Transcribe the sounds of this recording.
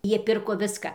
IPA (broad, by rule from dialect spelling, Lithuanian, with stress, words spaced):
ˈjiɛ ˈpʲɪrkoː ˈʋʲɪskɐ